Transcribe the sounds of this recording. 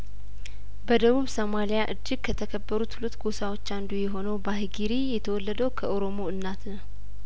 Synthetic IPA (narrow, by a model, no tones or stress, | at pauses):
bəd̪əβuβsomalijaʔɨd͡ʒːɨɡ̚kʰət̪ʰəkʰəbːəɾut̪hulut̪ɡosawot͡ʃːand̪ujɛɦo̞nəwbahɡiɾijɛt̪ʰəwɔlːəd̪əwkʰəʔoɾomo̞ɨnːat̪nəw